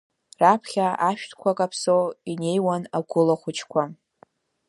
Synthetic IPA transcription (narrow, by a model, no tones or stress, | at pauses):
rapʰχʲaaʃᶣtʰkʷʰakʼapʰsowine̞jwanaɡʷʊlaχʷʊt͡ʃʰkʷʰa